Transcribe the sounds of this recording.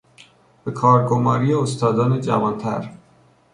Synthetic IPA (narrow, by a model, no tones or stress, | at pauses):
b̥e̞kʰɒːɾɡomɒːɾijeost̪ɒːd̪ɒːned͡ʒæ̰vɒːnt̪ʰæ̰ɾ